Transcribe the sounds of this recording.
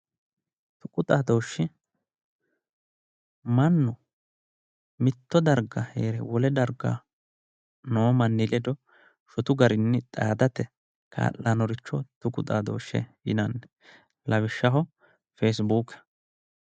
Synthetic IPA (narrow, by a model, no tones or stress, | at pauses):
t̪ʊkʼʊt̪ʼaːd̪o̞ːʃːɪ | mɐnːʊ | mɪt̪ːɔd̪ɐɾɡɐheːɾɛwɔlɛd̪ɐɾɡa̰ | noːmɐnːɪlɛd̪ɔ | ʃɔt̪ʊɡɐɾɪnːɪt̪ʼa̰ːd̪ɐt̪ɛ | kʰa̰ːlːanɔɾɪt͡ʃːɔt̪ʊkʼʊt̪ʼaːd̪o̰ːʃːɛ̰jɪ̰nɐnːɛ | lɐβɪʃːɐɦɔ | fes̬buːkɛ̥